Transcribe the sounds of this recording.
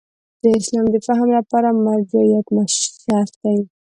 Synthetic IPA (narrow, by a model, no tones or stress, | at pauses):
d̪̥əɪslɑmd̪əfaɦamlapɑɾamaɾd͡ʒajat̪maʃsjɑsk̪ai